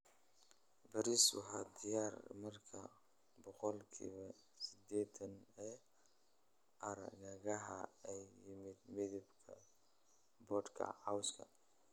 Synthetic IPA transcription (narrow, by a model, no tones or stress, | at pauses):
bɐɾiswɑ̰ɦaːd̪ɪjaːrmɐrkʰɐ | bɔqɔlkʰḭːβɐ | sɪd̪ɛːt̪ʰɐnɛː | ʔɐɾɣɐɣɐɦɐ̰ɛjːɪmɪd̪̚mɪðɪbkʰɐ | bɔːd̪kʰɐ̰ʕawskʰɐ̰